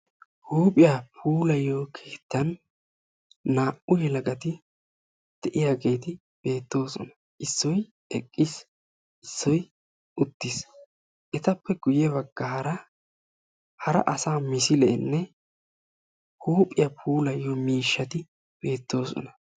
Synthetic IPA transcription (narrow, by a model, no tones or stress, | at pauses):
huːpʼɪjapʰuːlɐjːoːkʰeːt̪ːɐn | naːʔʊjɛlɐɡʼɐt̪ɪ | d̪̥ɛʔɪjaːɡe̞jt̪ɪ | b̥e̞ːt̪ːo̞ːsɔ̰nɐ̥ | ʔɪsːɔj | ɛkʼːɪs | ɪsːɔj | ʊt̪ːɪs | ʔɛt̪ɐpːɛɡ̥ʊjɛβɐɡ̥ːaːɾɐ | hɐɾɐ̰ʔɐsaːmɪsɪlɛːnːɛ | huːpʼɪjapʰuːlɐjːomiːʃːɐt̪ɪ | b̥e̞ːt̪ːo̞ːsɔ̰nɐ̥